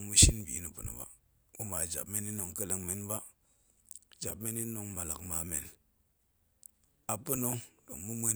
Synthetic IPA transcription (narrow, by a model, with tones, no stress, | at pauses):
ŋmu˦ʃi˦nbḭ˨˦ni˨pṵ˨no̰˨ba̰˦ | u˦ma˨d͡ʒa̰˨b̚me˦ni˦no˨ŋkə˦le˨ŋme˨nba˦ | d͡ʒa̰˨bme˦ni˦no˦ŋma˨la˨kma˨me˨n | a˨pu˦no˦do̰˨ŋmu˦me˦